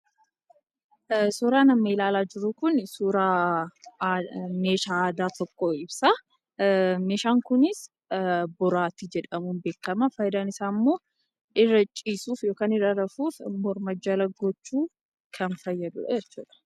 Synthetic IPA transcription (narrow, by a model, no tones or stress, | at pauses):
suːɾaːnɐmːɐɪlaːlaːd͡ʒɪɾʊkʊnsuːɾaː | me̞ːʃaːd̪aːt̪ɔkːɔɪbsa | meːʃaːŋkʊnɪs | bɔɾaːt̪ɪd͡ʒɛᶑɐmuːnbeːkːɐmɐfɐjd̪anɪsaːmːoː | ʔɪrːɐt͡ʃʼːiːsuːfjo̞ːkaːnɪrɐɾɐfuːfmɔɾmɐd͡ʒːɐlɐɡɔt͡ʃːuː | kʰɐnfɐjːɐd̪ʊ̰ᶑɐ̰d͡ʒɛt͡ʃːṵːᶑ̪ɐ̥